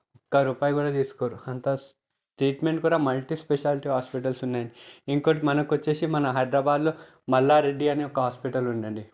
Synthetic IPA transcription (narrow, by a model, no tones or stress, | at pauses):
ɔkːɐɾuːpaːjɡuːɽaːt̪iːsu̥koːɾuɐnt̪ɐ | ʈɾiːʈme̞ɳʈkuːɽaːmɐlʈispeʃaːlʈiɦaːspiʈɐlsunːaːjɐɳɖiiŋkoːʈmɐnɐkuʋɐt͡ʃːe̞ːsimɐnɐɦɐjd̪ɾɐbaːd̪loː | mɐlːaːɾe̞ɖːiɐneɔkɐɦaːspiʈɐluɳɖɐɳɖi